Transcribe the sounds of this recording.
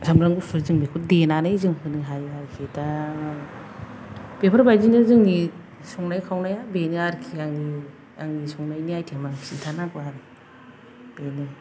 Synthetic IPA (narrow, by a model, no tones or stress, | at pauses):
samɾaŋɡupʰɯɾzɯŋbikʰudenanɯjzɯŋhʰɯnɯɦajaɾkʰita | b̥epʰɯɾbajzinazɯŋni | sɔŋnajkʰawnajabenɯaɾkʰiaŋni | aŋnisɔŋnajniajtʰemaŋsitʰanakʰuaɾɯ | b̥enɯ